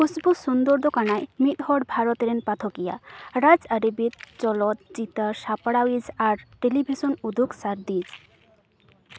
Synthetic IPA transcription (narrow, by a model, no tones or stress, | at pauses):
kusbusund̪ɔɾd̪ɔkaɽ̃ajmit̪ɦɔɖbʱaɾɔt̪ɾenpat̪ʰɔkija̰ɾad͡zəɾibit̪̚t͡ʃɔlɔt̪̚d͡ʒit̪aʃapɽawizaɾʈelibʱisɔnud̪ʱuksaɾd̪iz